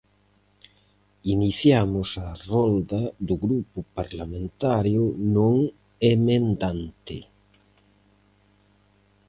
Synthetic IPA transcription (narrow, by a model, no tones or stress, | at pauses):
iniθjamʊsɐrɔnd̪ad̪ʊɣɾupʊpaɾlamẽnt̪aɾjʊnõŋ | emẽnd̪ant̪ɪ